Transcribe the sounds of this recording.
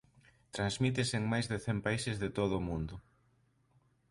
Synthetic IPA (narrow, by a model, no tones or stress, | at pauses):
t̪ɾanzmit̪ɪseŋmajzðɪθɛmpaisɪzðɪt̪oðʊːmũnd̪ʊ